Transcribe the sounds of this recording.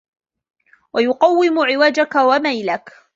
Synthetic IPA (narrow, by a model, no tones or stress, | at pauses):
wajʊqɑwːɪmʊʕɪwaːd͡ʒakawamajlak